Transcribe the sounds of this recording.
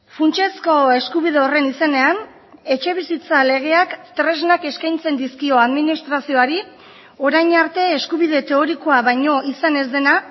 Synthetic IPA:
funt͡ʃe̞sko̞e̞skuβiðe̞o̞re̞nise̞ne̞an | e̞t͡ʃe̞β̞isit͡sale̞ɣ̞e̞akt̪ɾe̞znake̞skajnt͡se̞nd̪iskio̞aðminist̪ɾasio̞aɾi | o̞ɾajɲaɾt̪e̞ːskuβið̞e̞t̪e̞o̞ɾiko̞aβajɲo̞isane̞zd̪e̞na

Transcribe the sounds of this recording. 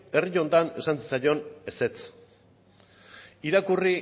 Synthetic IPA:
e̞riʎo̞nt̪ane̞sansi̥t͡sajo̞ne̞se̞t͡s | iɾakuri

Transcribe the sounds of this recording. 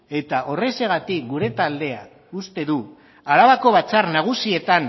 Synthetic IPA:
e̞t̪aʔo̞re̞se̞ɣ̞at̪ik̚ɡuɾe̞t̪ald̪e̞a | ust̪e̞ðu | aɾaβako̞β̞at͡sarnaɣ̞usie̞t̪an

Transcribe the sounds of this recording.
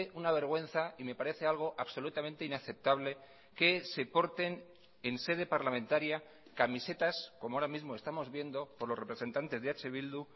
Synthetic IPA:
ʔunaβ̞e̞ɾɣ̞we̞nθaime̞paɾeθe̞alɣ̞o̞ʔaβso̞lut̪amẽnt̪e̞inaθe̞p̚t̪aβle̞ | ke̞se̞po̞ɾt̪e̞n | e̞nse̞ð̞e̞paɾlamẽnt̪aɾja | kamise̞t̪asko̞mooɾamizmoe̞st̪amo̞zβje̞nd̪o̞po̞ɾlore̞pɾe̞se̞nt̪ant̪e̞zðeat͡ʃeβild̪u

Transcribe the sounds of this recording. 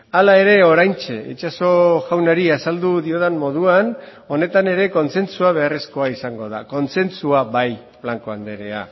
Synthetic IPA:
alae̞ɾe̞o̞ɾajnt͡ʃe̞it͡ʃaso̞ɣawnaɾiasald̪uðioðanmːo̞ð̞uan | o̞ne̞t̪ane̞ɾe̞ko̞nse̞nt͡suaβ̞e̞aresko̞aisaŋɡo̞ða̰ko̞nt͡se̞nt͡suaβaj | flaŋko̞and̪e̞ɾea̰

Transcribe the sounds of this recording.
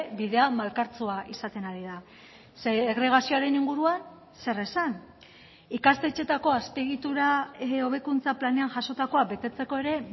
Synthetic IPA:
biðe̞amalkaɾt͡suaʔisat̪e̞naɾiða | seeɣɾe̞ɣ̞asio̞aɾe̞niŋɡuɾuan | se̞re̞san | ikast̪et͡ʃe̞t̪ako̞aspe̞ɣ̞it̪uɾao̞β̞e̞kunt͡saplane̞anʝaso̞t̪ako̞abe̞t̪e̞t͡se̞ko̞e̞ɾe̞

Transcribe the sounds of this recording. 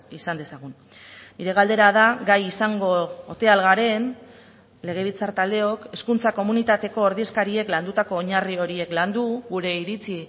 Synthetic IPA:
isand̪e̞saɣ̞un | nːiɾe̞ɣald̪e̞ɾað̞aɡajisaŋɡo̞ːt̪e̞alɣaɾe̞n | le̞ɣ̞e̞β̞it͡saɾt̪ald̪e̞o̞ke̞skunt͡sako̞munit̪at̪e̞ko̞ːɾðie̞skaɾie̞kland̪ut̪ako̞ːɲario̞ɾie̞kland̪uɣuɾe̞iɾit͡si

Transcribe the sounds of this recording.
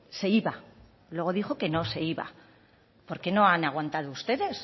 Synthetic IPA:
se̞iβa | lwe̞ɣ̞o̞ðixo̞ke̞no̞se̞iβa̰ | po̞ɾke̞no̞anaɣ̞want̪að̞oust̪e̞ðe̞s

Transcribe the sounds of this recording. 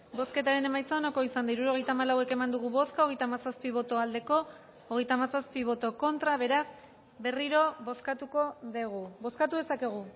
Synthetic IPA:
bo̞ske̞t̪aɾe̞ne̞majt͡saonoko̞isand̪aiɾuɾo̞ɣ̞e̞jt̪amalawe̞ke̞mand̪uɣ̞uβo̞skaoɣ̞e̞jt̪aːmasaspiβ̞o̞t̪o̞ald̪e̞ko̞ː | ɣ̞e̞jt̪amasaspiβ̞o̞t̪o̞ko̞nt̪ɾaβ̞e̞ɾas | be̞riɾo̞βo̞skat̪uko̞ðeɣ̞ubo̞skat̪uðesake̞ɣ̞u

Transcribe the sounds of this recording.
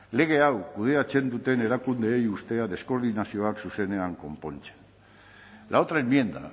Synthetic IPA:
le̞ɣ̞e̞awkuð̞e̞at͡se̞nd̪ut̪e̞ne̞ɾakund̪e̞ːjust̪e̞aðe̞sko̞ɾðinasio̞aksuse̞ne̞aŋko̞mpo̞nt͡se̥n | lʔaot̪ɾaemmje̞nd̪a̰

